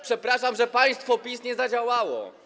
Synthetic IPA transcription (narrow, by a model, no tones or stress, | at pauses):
pʂɛpɾaʂamʐɛpaj̃st̪fɔpʲisɲɛzad͡ʑawawɔ̰